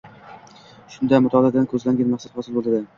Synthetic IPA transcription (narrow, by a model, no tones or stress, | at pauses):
ʃʊnd̪amʊt̪ʰɒlad̪ankʰɵzlaŋɡʲanmaqsad̪hɒsɪlbolˠd̪ad̪ɪ